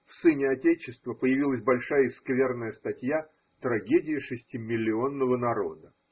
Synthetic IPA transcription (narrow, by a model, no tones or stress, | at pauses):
fsɨnʲɪɐtʲet͡ɕɪst̪vəpəjɪvʲilˠəsʲbɐlʲʂajəɪskvʲe̞rnəjəst̪ɐtʲja | t̪ɾɐɡʲedʲɪɪʂɨsʲtʲimʲɪlʲːɪo̞nːəvənɐɾo̞̰d̪ə